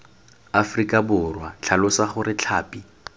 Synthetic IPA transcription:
afrikʼabʊrwat͡ɬʰalʊsaχʊrɪt͡ɬʰaːpʼi

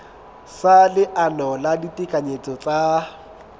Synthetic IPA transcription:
salɪʔanɔladitʼikʼaɲet͡sʼɔt͡sʼa

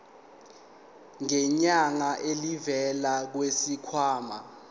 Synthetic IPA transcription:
ŋɛɲaŋaʔelivɛlak̬wesikʰwaːma

